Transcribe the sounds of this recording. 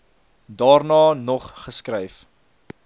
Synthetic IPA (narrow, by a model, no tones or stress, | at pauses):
dɑːrnɑːnɔχːəskrɛjf